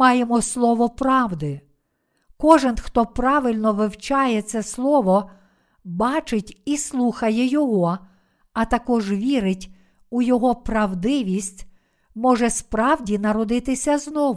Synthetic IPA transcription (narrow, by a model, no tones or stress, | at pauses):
mɑjemɔslˠɔʋɔpɾɑwd̪ɪ | kɔʒɪnxt̪ɔpɾɑʋɪlʲnɔʋɪwt͡ʃɑjɛt̪sɛslˠɔʋɔ | bɑt͡ʃɪtʲislˠuxɐjɛjɔɦɔ | ɐt̪ɐkɔʒʋʲiɾɪtʲ | ujɔɦɔpɾɐwd̪ɪʋʲisʲtʲ | mɔʒɛspɾɑwdʲinɐɾɔd̪ɪt̪ɪsʲɐznɔʋ